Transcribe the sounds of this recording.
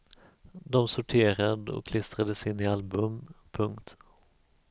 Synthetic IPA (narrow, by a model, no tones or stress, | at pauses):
d̪ɔmsʊʈʰeːɾad̪ɔ̰kʰːlɪst̪ɾad̪əsɪnːɪalbɵmpʰɵŋkt̪